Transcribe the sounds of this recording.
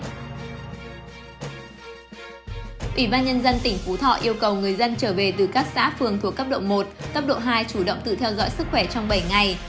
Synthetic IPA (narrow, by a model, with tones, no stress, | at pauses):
ʔi˧˩ɓaː˧nɲə˧nzə˧nt̪ï˧˩ŋ̟fu˨˦t̪ʰɔ̰˧˨ʔi˧əwkə˨˩wŋɨ˨˩əjzə˧nt͡ɕəː˧˩ve˨˩t̪ɨ˨˩kaː˦˥k̚sa̰ː˧˥fɨ˨˩əŋt̪ʰu˨˩əkːə˦˥p̚ɗo̰˧˨wŋ͡mmo˨˩t̚kə˦˥p̚ɗo̰˧˨ɦaː˧jt͡ɕu˧˩ɗə̰˧˨wŋ͡mt̪ɨ̰˧˨t̪ʰɛ˧wzɔ̰˧˥jsɨ˦˥k̚xwɛ˧˩t͡ɕɔ˧wŋ͡mɓə˧˩jŋa˨˩j